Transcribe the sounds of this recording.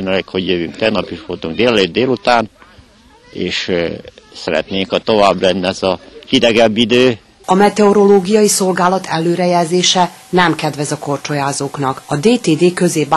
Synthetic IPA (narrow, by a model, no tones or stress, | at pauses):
nɛlekho̞ɟjøvyŋkt̪ɛɡnɒpiʃʋolt̪uŋɡ̚d̪eːlɛløːd̪̚d̪eːlut̪aːn | eːʃ | sɛɾɛ̰t̪neːŋkɒt̪o̞vaːblɛnːɛzɒkid̪ɛɡɛbːid̪øː | ɒmɛt̪ɛoɾo̞loːɡijɒjiso̞lɡaːlɒt̪ʰɛlːøːɾɛjɛlzeːʃɛ | nɛmkɛd̪ʋɛzɒko̞rt͡ʃojaːzoːknɒkɒd̪eːt̪eːd̪eːkø̞zeːb